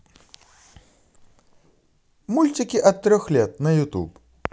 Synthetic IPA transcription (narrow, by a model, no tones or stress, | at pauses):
mulʲtʲikʲiʔɐt̪ːɾʲɔxlʲet̪̚nɐjut̪ṵp